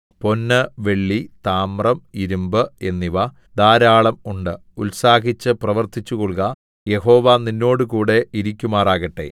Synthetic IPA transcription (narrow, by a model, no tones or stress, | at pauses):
po̞nːɐʋe̞ɭːit̪aːmrɐmiɾumbɨe̞nːiʋɐ | d̪aːɾaːɭɐmuɳɖɨ | ulsaːɦit͡ɕːɨprɐʋɐrt̪ʰit͡ɕːukoɭkɐ | je̞ho̞ːʋaninːo̞ːɽɨkuːɽe̞iɾikʲːumaːraːɣɐʈːe̞̰